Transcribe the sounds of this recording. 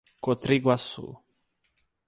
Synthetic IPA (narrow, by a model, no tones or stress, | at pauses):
kot̪ɾiɡwasṵ